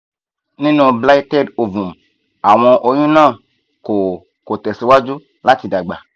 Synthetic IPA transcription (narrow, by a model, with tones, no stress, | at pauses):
nĩ˦no˨bla˦i˦tɛ˦˨do˨vu˨m | a˨w̃ɔ̃˧ʔo˨jũ˦nã˦˨ | ko˨ | ko˨tɛ˨si˨wa˦d͡ʒu˦ | la˦ti˨da˨ɡ͡ba̰˨